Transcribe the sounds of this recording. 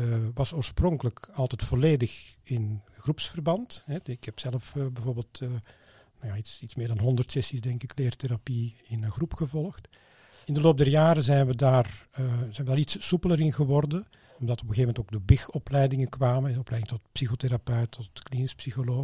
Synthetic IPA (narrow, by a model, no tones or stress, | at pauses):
ʋɑsoːɹsprɔŋkələkɑlˠtɛtfɔleːdəxɪnxrupsfərbɑntɦɛɪkhɛpsɛləfbɛvoːrbeːlˠtː | nawjaːitsitsmɪːrdɑnɦɔndərtsɛsisdɛŋkɪkleːrteɾapiɪnənxrupxəvɔlˠəxt | ɪndəloːp̚dɛrjaːɾəzɛjnʋədaːrzɛjnʋədaːɾitsupələɾɪnɣəʋɔrdən | ɔmdɑtɔpəxeːvəmɛntoːɡ̚dəbɪxɔplɛjdɪŋəkʋaːməɔplɛjdɪŋtɔtpsixoteɾapœɥtʰːɔtklinɪspsixoloː